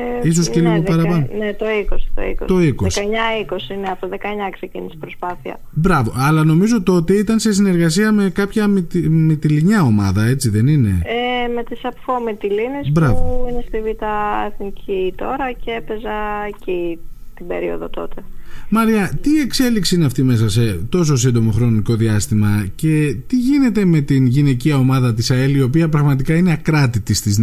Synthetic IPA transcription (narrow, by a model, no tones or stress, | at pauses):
eis̬osceliɣopɐɾɐpɐnnet̪o̞iko̞si̥t̪o̞̰ḭkost̪o̞ikoseskɐeɲɐiko̞siineɐpoðekɐeɲɐksecḭnisi̥pɾo̞spɐθiɐ̰ | bɾɐvo̞̰ɐlɐno̞mizo̞t̪o̞t̪e̞it̪ɐnse̞sine̞ɾɣɐs̬iɐme̞kɐpçɐmit̪imit̪iliɲɐo̞mɐ̰ðɐe̞t͡siðe̞nine̞̰eme̞t̪isɐpfomit̪ilinisbɾɐuvoinest̪ivit̪ɐeθnicʰit̪o̞ɾɐceepe̞zɐcit̪ibe̞ɾio̞̰ðot̪o̞t̪e̞mɐɾiɐt̪ie̞kse̞liksiine̞ɐft̪ime̞sɐse̞t̪o̞s̬o̞s̬ind̪o̞mo̞xɾo̞niko̞ðiɐst̪imɐce̞t̪iʝine̞t̪e̞me̞t̪inʝine̞ciɐo̞mɐðɐt̪isɐelio̞piɐpɾɐɣmɐt̪ikɐine̞ɐkɾɐt̪it̪ist̪iz